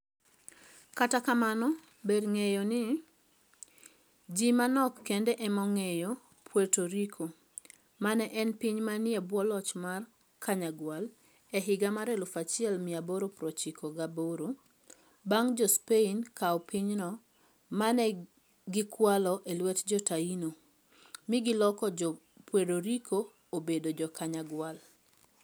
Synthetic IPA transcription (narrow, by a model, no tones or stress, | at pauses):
katakamanɔ | bedŋejonɪ | d͡ʒimanɔkːendɛʔɛmɔŋejo | pʰwetoɾikʰo | manɛʔɛnpiɲmanɪɛbwɔlɔt͡ʃmar | kʰaɲaɡwal | ɛɦɪɡamaɾɛlʊfat͡ʃɪɛlmɪaboɾopɾɔt͡ʃikʰoɡaboɾo | baŋd͡ʒɔspeinkaɔpiɲnɔ | manɛ | ɡɪkwalɔʔelwɛtd͡ʒɔtaino | mɪɡɪlɔkɔd͡ʒɔ | pwedoɾikʰo | obedod͡ʒɔkaɲaɡwal